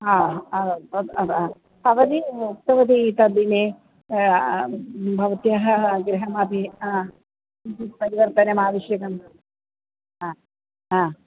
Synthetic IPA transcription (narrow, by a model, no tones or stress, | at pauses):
aːɐɐd̪ɐd̪aː | ɐʋɐd̪iukt̪ɐʋɐd̪it̪ɐd̪ineː | bʱɐʋɐt̪jaɦɐɡɾiɦɐmɐpi | t̪ipɐɾiʋɐɾt̪ɐnɐmaːʋɐʃjɐkɐm | a | aː